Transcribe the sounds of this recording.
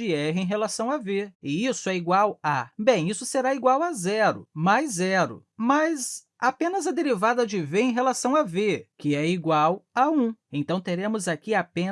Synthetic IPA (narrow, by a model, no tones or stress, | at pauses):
ɪɛɦɪẽj̃ɦelasɐ̃w̃aveɪisʊɛiɡwawabẽj̃isʊseɾaiɡwawazɛɾʊ̰majzɛɾʊ̰mɐz | apẽnɐzɐd̪eɾivad̪ɐd͡ʒɪveẽj̃ɦelasɐ̃w̃avekɪɛiɡwawaũẽt̪ɐ̃w̃t̪eɾẽmʊzakiapẽ